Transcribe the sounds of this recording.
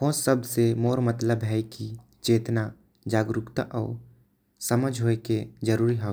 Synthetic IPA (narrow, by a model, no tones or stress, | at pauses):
ɦoːsəbsemoːɾmət̪ləbɦɛːki | t͡ʃeːt̪na | d͡ʒaːɡɾʊkt̪a̰ʔɔ̰ː | sɐməd͡ʒʱɦoːeked͡ʒəɾuːɾiɦoː